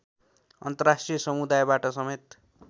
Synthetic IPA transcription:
ʌ̰nt̪ʌrasʈrijʌsʌmud̪ajbaʈʌsʌmet̪

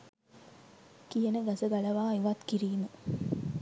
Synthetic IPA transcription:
kijənəɡasəɡalɐʋaːiʋat̪kiɾiːmə

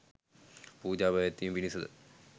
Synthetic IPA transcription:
puːd͡ʑaːbɐjɐt̪ːejumʋinisɐðɨ̰

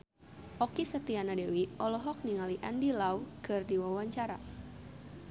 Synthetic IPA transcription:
ʔɔkisət̪ianadewiɔlɔɦɔk̚niŋaliʔandilawkɨrdiwawaɲt͡ʃaɾa

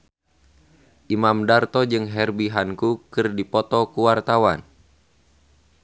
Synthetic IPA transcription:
ʔimamdart̪ɔd͡ʒɨŋɦɛrbiɦankukɨrdipɔt̪ɔkuwart̪awan

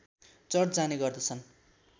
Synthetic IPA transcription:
t͡sʌrd͡zaneɡʌrd̪ʌt͡sʰʌn

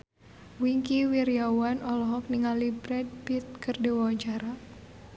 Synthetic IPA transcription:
wiŋkiwiɾiawanɔlɔɦɔk̚niŋalibɾɛd̚pit̪̚kərdiwawaɲt͡ʃaɾa

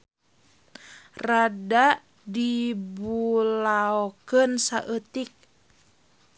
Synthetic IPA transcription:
rada | dibulaokənsa̰ʔət̪ik̚

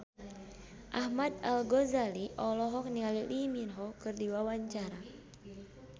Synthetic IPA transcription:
ʔahmad̪̚alɡɔzaliʔɔlɔɦɔk̚niŋaliliminɦɔkɨrdiwawaɲt͡ʃaɾa

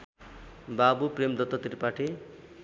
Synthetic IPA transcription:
babupremd̪ʌt̪ːʌt̪iɾpaʈʰe

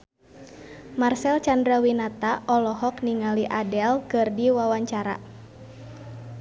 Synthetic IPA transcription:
marsɛlt͡ʃandɾawinat̪aʔɔlɔɦɔkniŋaliʔadɛlkɨrdiwawaɲt͡ʃaɾa̰

